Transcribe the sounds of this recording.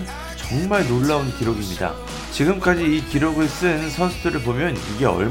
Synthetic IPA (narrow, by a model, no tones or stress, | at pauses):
t͡ɕʌŋmaɭnoɭːaonkiɾoɡimɲida̰ | t͡ɕiɡɯmk͈ad͡ʑiːkiɾoɡɯɭs͈ɯnsʰʌnsʰudɯɾɯɭpomjʌniɡe̞ʌ̰ɭ